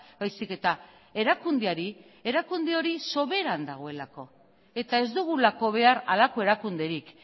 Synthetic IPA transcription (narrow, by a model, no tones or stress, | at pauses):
bajsike̞t̪a | e̞ɾakund̪eaɾi | e̞ɾakund̪eo̞ɾiso̞βe̞ɾand̪aɣ̞o̞e̞lako̞ | e̞t̪ae̞zd̪uɣ̞ulako̞β̞e̞aɾa̰lako̞e̞ɾakund̪e̞ɾik